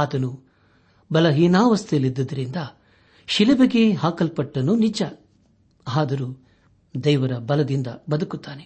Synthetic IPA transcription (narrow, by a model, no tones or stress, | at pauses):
aːt̪ɐnu | bɐlɐɦiːnaːʋɐst̪ijɐlid̪ːɐd̪ɐɾind̪ɐ | ʃilɐbɐɡeɦaːkɐlpɐʈːɐnːunid͡ʒɐ | aːd̪ɐɾu | d̪ɛjʋɐɾɐbɐlɐd̪ind̪ɐbɐd̪ɐkut̪ːaːne